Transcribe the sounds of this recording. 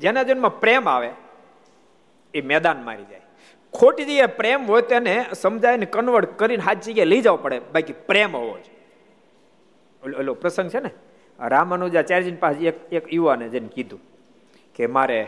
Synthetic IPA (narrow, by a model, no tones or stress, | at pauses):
d͡ʒenad͡ʒənmãpɾemaʋe | emɛd̪anma̰ɾid͡ʒa̰j | kʰoʈid͡ʒəɡapɾemɦojt̪enesəmd͡ʒajənekənʋəɽkəɾinɦat̪ʰd͡ʒəɡaləid͡ʒaʋupəɽebakipɾemɦoʋo̰t͡ʃʰe | elopɾəsə̃ŋɡt͡ʃʰene | ɾamənud͡ʒat͡ʃaɾd͡ʒinpad͡ʒekekjuʋaned͡ʒənkid̪ʱũ | kemaɾe